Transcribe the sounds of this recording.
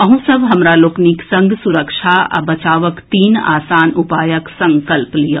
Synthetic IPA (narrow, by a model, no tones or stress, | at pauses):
ɐɦũsɐbɦɐmɾaloːkniksɐ̃ŋɡʱsʊɾəkʃaa̰bɐt͡ʃaːʋəkt̪iːna̰ːsaːnʊpaːjəksɐ̃ŋkəlplija